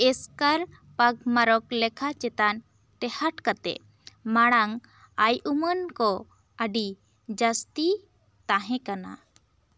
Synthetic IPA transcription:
ɛskaɾ | paɡ̚maɾɔklɛkʰat͡ʃɛt̪an | ʈ̪ɛhaʈkat̪ɛ̰ʔ | maɽ̃aŋ | ajumənkɔ | əɖi | d͡ʒəst̪i | t̪aɦɛ̃kana̰

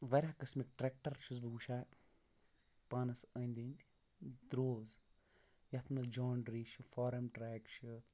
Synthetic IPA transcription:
ʋɐɾʲakɐsmik̚ʈɾek̚ʈɐɾt͡ʃʰuzbɨɡuʃaː | paːnɐsəːnd̪ind̪ʲi | d̪ɾoːz | jɐt̪ʰnɐzd͡ʒoːɳɖɾiʃɨfɔːɾɐmʈɾeːkʃʰɨ

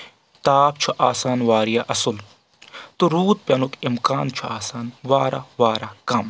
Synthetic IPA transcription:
t̪aːb̚t͡ʃʰuʔaːsaːnʋaːɾijaʔɐsul | t̪uɾuːt̪̚pjɐnukimkaːnt͡ʃʰuaːsaːnʋaːɾa̰ʋaːɾakɐm

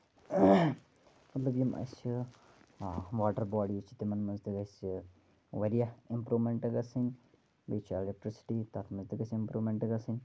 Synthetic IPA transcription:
mɐt̪lɐbjimʔɐ̰sʲi | ʋaːʈɐɾbaːɖit͡ʃʰi̥t̪imɐnmɐnzd̪ɨɡɐsʲi | ʋɐɾijaimpɾuːmeɳʈɐɡɐsin | bet͡ʃʰelek̚ʈɾisi̥ʈiːt̪ɐt̪ʰmɐzd̪ɨɡɐsimpɾuːʋmeɳʈɐɡɐsinʲ

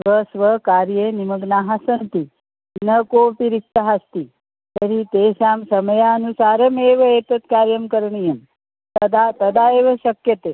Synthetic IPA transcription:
sʋəsʋəkaːɾjenimɐɡnaɦasɐnt̪i | nɐkoːpiɾik̚t̪əɦast̪i | t̪əɾit̪eːsaːmsɐmɐjaɐnusaːɾɐmeːʋɐet̪ɐt̪kaːɾjɐmkəɾɳijɐm | t̪ɐd̪at̪ɐd̪aeʋɐɕɐkjət̪e

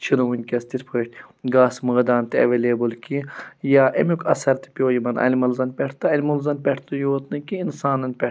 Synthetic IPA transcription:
t͡ʃʰiɾuunʲkʲɐst̪iɾʲpʰəːʃt̪ʲɡaːsmɐːd̪aːnt̪iɐ̰ʋelʲeːbulkʲijaːʔḛmjukʰɐsɐɾt̪ɨ̥pʲjoːjimɐnɐ̰lʲimɐlzɐnpʲɛʈʰt̪ɨɐlʲmulzɐnpʲɛʈʰt̪ɨjoːt̪nɨkiinsaːnɐnpʲɛ

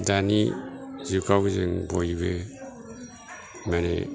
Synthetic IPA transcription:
danizikʰawɡzeŋbojbe | manḛ

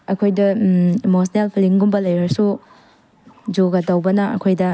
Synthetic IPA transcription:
ɐkʰojdɐemos̬nelpʰiliŋɡumbɐlɐjɾɐɾsu | d͡ʒoɡɐdɐwbɐnɐɐ̰kʰojdɐ

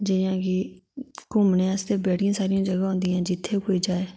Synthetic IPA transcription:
d͡ʒɪjãːkɪkʊmnẽːəst̪eːbɛːʈɪjãːsaːɾɪjãːd͡ʒəɡaːɦʊ̃ːnd̪iːãːd͡ʒɪt̪ʰːeːkoːiːd͡ʒaːeː

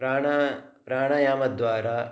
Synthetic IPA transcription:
aːɳɐpɾaːɳɐjaːmɐd̪ʋaːɾaː

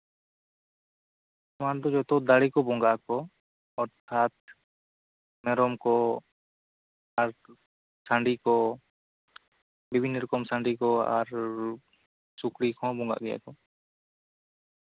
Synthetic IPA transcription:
ɔmand̪ɔd͡ʒɔt̪ɔd̪aɽikɔbɔŋɡakɔ | ɔɾt̪ʰat̪̚ | mɛɾɔmkɔ | aɾ | saɳɖikɔ | bibʱinːɾɔkɔmsãɳɖikɔa̰ɾ | sukɽikʰɔ̃bɔŋɡa̰ʔɡɛja̰kɔ

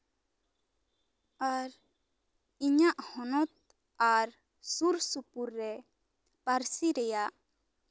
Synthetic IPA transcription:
aɾ | iɲaʔhɔnɔt̪̚ | aɾ | suɾsupuɾːɛ | paɾsiɾɛjaʔ

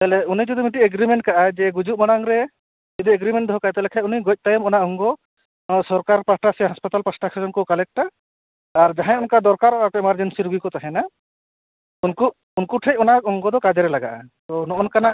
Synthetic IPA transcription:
t̪alɛunid͡ʒud̪imiʈieɡɾimeɳʈ̚kaʔad͡ʒɛɡud͡ʒumaɽaŋɾɛ | d͡ʒɔd̪ieɡɾimeɳʈd̪ɔɦɔkaat̪alɛkʰauniɡɔc̚ˀt̪ajɔmɔnaʔɔŋɡɔ | sɔɾkaɾpasʈasɛɦaspat̪alpasʈakʰed͡ʒɔnkɔkalɛk̚ʈaː | ɾd͡ʒaɦãunkad̪ɔɾkaɾɔakɔɛmaɾd͡ʒensiɾuɡikɔt̪aɦɛ̃na | unku | unkuʈʰec̚ɔnak̚ɔŋɡɔd̪ɔkad͡ʒɛɾɛlaɡa̰ʔa̰t̪ɔnɔʔɔnkanaʔ

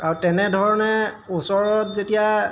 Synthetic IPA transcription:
aɹutɛnɛdʱɔɹɔnɛ | usɔɹɔtzetija

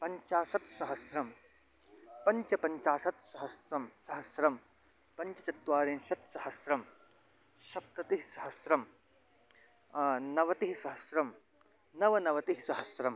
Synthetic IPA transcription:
pɐɲt͡ʃaːsɐt̪sɐɦɐsɾɐm | pɐɲt͡ʃɐpɐɲt͡ʃaːsɐt̪̚sɐɦɐsɾɐmsɐɦɐsɾɐm | pɐɲt͡ʃɐt͡ʃɐt̪ʋaːɾẽːnsɐt̪sɐɦɐsɾɐm | sɐp̚t̪ɐt̪iɦisɐɦɐsɾɐm | nɐʋɐt̪iɦisɐɦɐsɾɐm | nɐʋɐnɐʋɐt̪iɦisɐɦɐsɾɐm

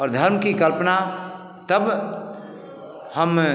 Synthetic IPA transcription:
ɔːɾd̪ʱəɾmkikəlpna | t̪əb | həm

